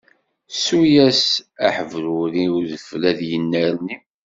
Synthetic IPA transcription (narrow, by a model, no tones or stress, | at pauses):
sujæsæħəvɾuɾiwðəflæðjənːəɾni